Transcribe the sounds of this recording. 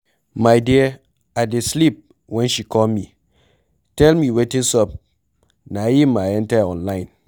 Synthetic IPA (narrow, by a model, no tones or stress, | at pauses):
majde | adeslip̚ | wɛnʃikɔlmi | tɛlmiwetĩŋsɔp̚ | najimaentaɔ̃nlaɪ̃n